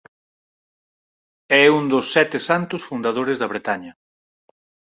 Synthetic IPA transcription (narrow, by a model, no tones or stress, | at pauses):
ɛund̪osːɛt̪esant̪ʊsfund̪að̞oɾɪzðɐβɾet̪aɲɐ